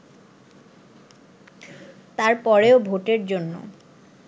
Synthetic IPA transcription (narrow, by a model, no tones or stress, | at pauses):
t̪aɾpɔɾeobʱoʈeɾd͡ʑonːo̰